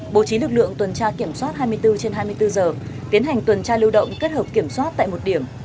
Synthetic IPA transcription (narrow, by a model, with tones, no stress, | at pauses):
ɓo˧˩t͡ɕi˨˦lɨ˨˩k̚lɨ̰˧˨əŋt̪wə˨˩nt͡ɕaː˧ki˧˩əmswaː˦˥t̚ɦaː˧jmɨ˧əjt̪ɨ˧t͡ɕe˧nɦaː˧jmɨ˧əjt̪ɨ˧zəː˨˩ | t̪i˨˦ənɦa˨˩jŋ̟t̪wə˨˩nt͡ɕaː˧lɨ˧wɗə̰˧˨wŋ͡mke˦˥t̚həː˨˩p̚ki˧˩əmswa˦˥t̚t̪a̰ː˧˨jmo˨˩t̚ɗi˧˩əm